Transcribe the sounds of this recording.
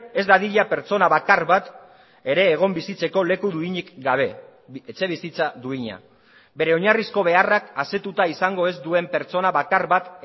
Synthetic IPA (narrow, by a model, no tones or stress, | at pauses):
e̞zd̪aðiʎape̞ɾt͡so̞naβakaɾβat̪ | e̞ɾe̞ːɣ̞o̞mbisit͡se̞ko̞le̞kuðuiɲikɡaβ̞e̞ | et͡se̞β̞isit͡saðuiɲa̰ | be̞ɾe̞o̞ɲarisko̞β̞e̞arakase̞t̪ut̪aisaŋɡo̞e̞zd̪ue̞mpe̞ɾt͡so̞naβakaɾβat̪